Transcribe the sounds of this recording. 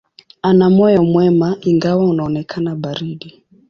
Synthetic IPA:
anamɔjɔmwɛmaiŋɡawaunaɔnɛkʰanabaɾiɗi

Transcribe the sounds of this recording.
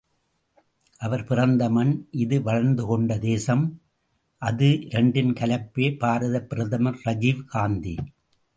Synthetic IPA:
ʔɐʋɐɾpɪrɐnd̪ɐmɐnʔɪðɯʋɐɻɐɾnd̪ɯkɔɳɖɐd̪eːsɐm | ʔɐðɯɪɾɛɳɖɪnkɐlɐpːeːpaːɾɐðɐpːɪɾɐðɐmɐɾɾɐd͡ʒiʋkaːnd̪ḭ

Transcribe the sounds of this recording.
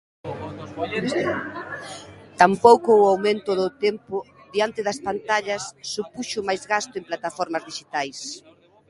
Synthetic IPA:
t̪ampowkoːawmẽnt̪ʊðʊt̪ɛmpʊ | ðiant̪ɪðɐspant̪aʎɐsːupuʃʊmajzɣast̪ʊemplat̪afɔɾmɐzðiʃit̪ajs

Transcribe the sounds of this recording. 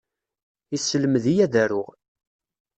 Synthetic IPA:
isələməðijæðæɾʊʁ

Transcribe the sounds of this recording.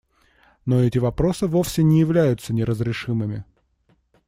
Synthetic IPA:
no̞ɛtʲɪvɐpɾo̞sɨvo̞fsʲɪnʲɪjɪvlʲæjʊt̪sənʲɪɾəzɾʲɪʂɨmɨmʲɪ

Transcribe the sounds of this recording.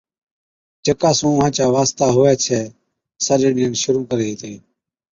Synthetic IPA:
d͡ʒəkaːsũːʋãːt͡ʃaːʋaːst̪aːɦoːʋɛːt͡ʃʰɛː | səɗeːɽɪːənʃʊɾuːkəɾeːiːt̪ʰeː

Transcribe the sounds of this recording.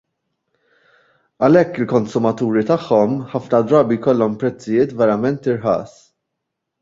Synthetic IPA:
ɐlɛkːɪlkɔnsʊmɐt̪uːɾit̪ɐħːɔmħɐfnɐd̪ɾɐːbijkɔlːɔmpɾɛt͡sːɪjɪːt̪vɛɾɐmɛnt̪ɪɾħɐ̰ːs

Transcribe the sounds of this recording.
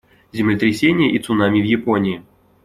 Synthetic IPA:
zʲɪmlʲɪt̪ɾʲɪsʲenʲɪjəʔit̪sʊnamʲivjɪponʲɪɪ

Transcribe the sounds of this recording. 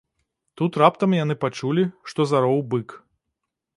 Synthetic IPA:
t̪ut̪rapt̪ɐmjan̪ɨpat͡ʂulʲiʂt̪ɔzaɾɔwbɨk

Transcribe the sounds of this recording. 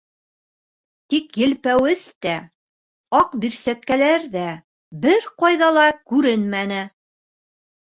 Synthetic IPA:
t̪ikjɘ̆lpæwɘst̪æ | ɑqbiɾsæt̪̚kælæɾðæ | bɘɾqɑjðɑlˠɑkʉɾɘnmænɘ

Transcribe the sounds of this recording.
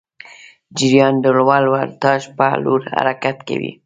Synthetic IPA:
d͡ʒɪɾjɑndoɽwɑlwaɾt̪ɑʃpaloɾha̰ɾakat̪ka̰wḭ

